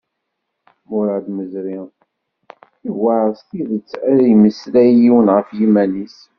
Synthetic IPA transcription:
mʊɾɑd̪məzɾi | ivaðst̪iðət͡sːæiməslæjiwənʁəfjimænis

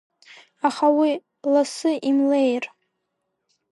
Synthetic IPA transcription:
aχawi | lasɨʔimlejr

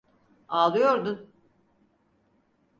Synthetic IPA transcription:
aːlˠɯjo̞ɾd̪un

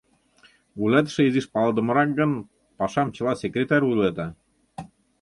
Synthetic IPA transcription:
ulʲæt̪ʃĕiziʃpɑlˠd̪ɤ̆mɤ̆ɾɑk̚ɡɤ̆n | pɑʃɑmt͡ɕɤ̆lˠɑsʲekrʲet̪ɑɾʲujlʲˠed̪ɑ

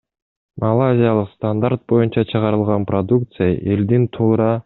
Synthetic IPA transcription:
mʔalˠazʲijalˠɯqst̪and̪aɾt̪̚bo̞junt͡ʃɑt͡ʃʰɯʁɑɾɯlˠʁɑnprod̪uk̚t̪sɨja̰ʔe̞ld̪int̪ʰuːɾɑ

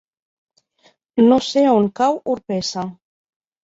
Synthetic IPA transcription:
noseauŋkawʔuɾpesa

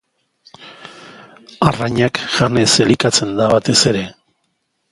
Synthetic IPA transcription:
araɲakʝaneselikat͡se̞nd̪aβat̪e̞se̞ɾe̞

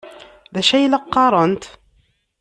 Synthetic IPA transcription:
ðæʃæjlɑqːɑɾˤənt̪

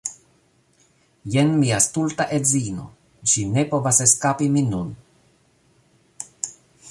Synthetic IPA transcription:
jenmiast̪ult̪aʔezino̰ | ʃine̞po̞vaseskapiminun

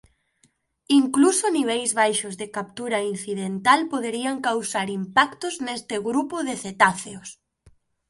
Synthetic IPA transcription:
iŋklusoniβ̞ɛjzβajʃʊzðekap̚t̪uɾain̟θiðent̪alpoðeɾiaŋkawsaɾimpakt̪ʊznest̪eɣɾupʊðeθet̪aθeos

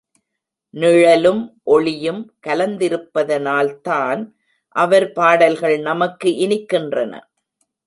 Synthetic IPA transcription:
nɪɻɐlɯmʔɔɭɪjɯmkɐlɐnd̪ɪɾɯpːɐðɐnaːlt̪aːn | ʔɐʋɐɾpaːɽɐlɣɐɭnɐmɐkːɯʔɪnɪkːɪndrɐnɐ̰

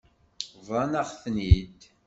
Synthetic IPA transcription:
vˤɑnɑʁθnid̪

